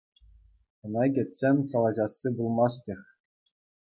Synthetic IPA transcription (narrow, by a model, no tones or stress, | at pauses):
ɤ̆nɑɡʲɘ̆t͡sʲenʲkɑlˠɑʑɑsːibulˠmɑstʲĕxʲ